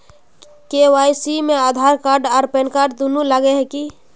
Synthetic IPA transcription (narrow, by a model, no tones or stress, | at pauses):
kewaːisimẽaːd̪ʱaːɾkaːɾɖaːɾpenkaːɾɖ̚d̪unulaɡeɦɛki